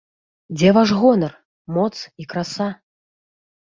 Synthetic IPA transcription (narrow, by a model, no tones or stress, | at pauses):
d͡zʲɛvaʐɣɔnɐr | mɔt̪sikɾasa